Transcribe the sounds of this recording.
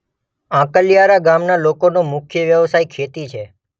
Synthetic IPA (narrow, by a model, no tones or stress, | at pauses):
ãkəlijaɾaɡamnalokonomʊkʰjəʋjəʋsajkʰet̪it͡ʃʰe